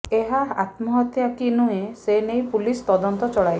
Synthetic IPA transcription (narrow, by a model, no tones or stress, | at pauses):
eɦaa̰t̪mɔɦɔt̪jakinuɦẽsenejpulist̪ɔd̪ɔnt̪ɔt͡ʃɔɭaj